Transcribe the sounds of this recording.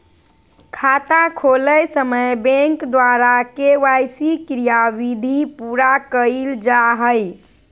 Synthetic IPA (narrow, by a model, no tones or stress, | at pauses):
kʰat̪akʰoləjsəməjbɛ̃ŋkd̪waɾakeʋajsikɾijaʋid̪ʱipuɾakəɪld͡ʒaɦəj